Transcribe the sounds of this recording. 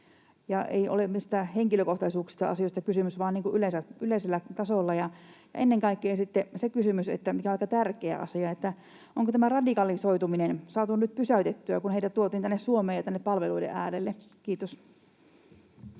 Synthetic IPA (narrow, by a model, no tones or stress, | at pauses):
jɑʔḛiʔo̰lemist̪æheŋkiløkoht̪ɑisuːksi̥st̪ɑ̰ɑ̰sioˑist̪ɑkysymysʋɑːniːŋkuʔyleˑisæyleˑiselːæt̪ɑsolːɑjɑjɑ̰ʔenːeŋkɑikːeːsit̪ːesekysymysḛt̪ːæmikæoikːɑt̪ærkeæ̰ʔɑ̰siɑet̪ːæ | ʔoŋkot̪æmærɑdikɑlisoit̪uminensɑːt̪unyt̪̚pysæyt̪et̪ːyækunheit̪æt̪uot̪iːnt̪ænːessuomeːjɑt̪ænːeppɑlʋeluidḛʔæːlelːe | kiːt̪os